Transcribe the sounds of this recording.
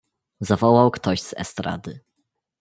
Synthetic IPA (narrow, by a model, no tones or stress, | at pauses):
zavɔwawkt̪ɔʑz̥ɛ̰st̪ɾa̰d̪ɘ